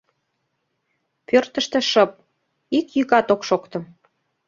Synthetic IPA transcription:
pørt̪ə̆ʃt̪ĕʃəp̚ | ikjykɑt̪okʃokt̪ə̆m

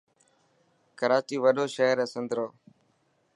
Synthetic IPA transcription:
kəɾaːt͡ʃiːʋəɗoːʃeːɾɛ̃ːsənd̪ɾoː

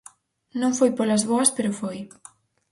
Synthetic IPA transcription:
nõŋfojpolɐzβoɐspeɾʊfoj

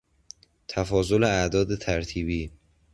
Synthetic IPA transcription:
t̪ʰæfɒːzoleæʔd̪ɒːd̪et̪ʰæɾt̪ʰiːbiː

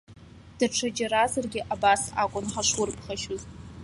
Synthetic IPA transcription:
d̥aʈ͡ʂʰad͡ʒaɾazarɡʲɪʔabasa̰kʷʼʊnħaʂwʊrpʰχaʃʊzʼ

